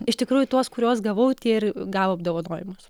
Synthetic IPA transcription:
ɪʃt̪ʲɪkɾuːjʊt̪uɔskʊɾʲoɔsɡɐʋɐʊt̪ʲiːɪrɡɑːʋoːɐb̚d̪oːʋɐnoːjɪmʊs

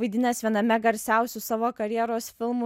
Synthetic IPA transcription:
ɐɪd̪ʲɪnʲɛsʋʲiɛnɐmʲɛɡɐɾʲsʲæˑʊsʲʊsɑːʋoːkɐɾʲjiɛɾoːsfʲɪlˠmʊ

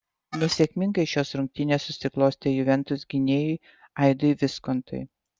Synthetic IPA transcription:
nʲɛsʲɛkʲmʲɪŋɡɐɪʃʲoːsɾʊŋʲk̚ʲt̪ʲɪnʲeːssʊsʲɪklˠoːsʲt̪ʲeːjʊʋʲɛnt̪ʊsɡʲɪnʲeːjʊɪ | ɐɪd̪oiʋʲɪskɔnt̪ʰɔ̰ɪ

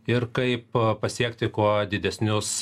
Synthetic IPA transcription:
ɪɾkɐɪp̚pɐsʲiɛkt̪ʲɪkuɔd̪ʲɪd̪ʲɛsʲnʲʊs

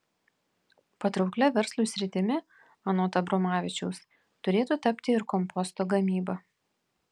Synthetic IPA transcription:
pɐt̪ɾɒʊklʲɛʋʲɛɾslˠuːsʲɾʲɪt̪ʲɪmʲɪ | ɐnɔt̪ɐbɾɔmɑːʋʲɪt͡ʃʲɛʊs | t̪ʊɾʲeːt̪uːt̪ɐpʲt̪ʲɪɪɾkɔmpɔst̪oːɡɐmʲiːbɐ

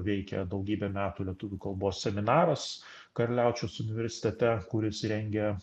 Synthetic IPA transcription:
ʋʲɛɪkʲɛ̰d̪ɒʊɡʲiːbʲɛmʲæːt̪uːlʲiɛt̪ʊʋʲuːkɐlˠboːssʲɛmʲɪnɑːɾɐs | kɐɾʲlʲæʊt͡ʃʲoːsʊnʲɪʋʲɛɾʲsʲɪ̥t̪ʲɛt̪ʲɛkʊɾʲɪsɾʲɛŋʲɡʲɛ

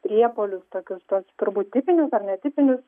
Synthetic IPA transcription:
pʲɾʲiɛpoːlʲʊst̪oːkʲʊst̪uɔst̪ʊɾbuːt̪̚ʲt̪ʲɪpʲɪnʲʊsɐrnʲɛt̪ʲɪpʲɪnʲʊs

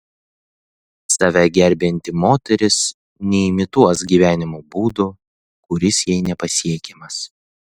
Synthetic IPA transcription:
sɐʋʲɛɡʲɛɾʲbʲɛnʲt̪ʲɪmoːt̪ʲɛɾʲɪs | nʲɛɪmʲɪt̪uɔsɡʲiːʋʲæːnʲɪmuːbuːd̪ʊ | kʊɾʲɪsjɛɪnʲɛpɐsʲiɛkʲɛmɐs

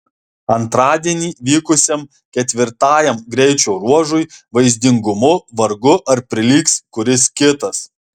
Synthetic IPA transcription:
ɐnt̪ɾɑːd̪ʲiɛnʲiːʋʲiːkʊsʲɛm | kʲɛt̪ʲʋʲɪɾt̪ɑːjɛmɡɾʲɛɪt͡ʃʲɛːɾuɔʒʊjʋɐɪzʲd̪ʲɪŋɡʊmʊʋɐɾɡʊʔɐɾpʲɾʲɪlʲiːkskʊɾʲɪskʲɪt̪ɐs

